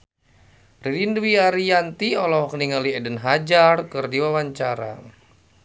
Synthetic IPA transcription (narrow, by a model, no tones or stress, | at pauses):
rilindwiaɾijant̪iɔlɔhkəniŋaliɛdənɦad͡ʒarkɨrdiwawaɲt͡ʃaɾa̰